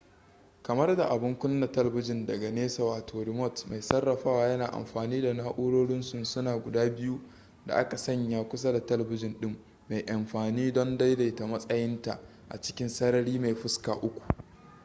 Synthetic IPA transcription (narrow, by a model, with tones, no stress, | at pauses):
kɐ˨mɐ˦rda˨ʔa˨bɪ˦ŋkʷʊ˦nːa˨tɐ˦lɐ˨bɪ˦d͡ʒɪ˨ndɐ˨ɡa˨neː˦sɐ˨waː˨tʰoː˨ɾɪ˨mɔ˦˨tma˨jsɐ˦rːɐ˨ɸaː˦waː˨jɐ˦naː˨ʔa̰˨mɸaː˨niː˦da˨naː˦ʔʊ˦ɽoː˦ɽɪ˦nsʊ˨nsʊ˦naː˨ɡʷʊ˨daː˦bɪ˦ju˦ | da̰˨ʔa˦ka˨sɐ˦ɲjaː˦kʷʊ˦s̬a˦da˨tɐ˦lɐ˨bɪ˦d͡ʒɪ˨nɗɪ˦mː | a˨jʔa˨mɸaː˨niː˦dɔ˦nda˦jda˨jta˨mɐ˦sʼɐ˦jɪ˦nta˨ | ʔa̰˨t͡ʃɪ̥˦kʲɪ˦nsɐ˦ɾɐ˦ɽiː˦ma˨jɸʊ˦ska̰ː˨ʔʊ˦kʷu̥˨